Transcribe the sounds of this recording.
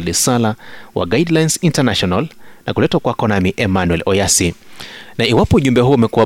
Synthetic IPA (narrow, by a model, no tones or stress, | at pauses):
lisalawʔa̰ɡaidlajnsintanaʃɔnalnakulɛtwakwakɔnamiʔɛmanwɛlʔɔjasinaiwapɔuʄumbɛɦuumɛkua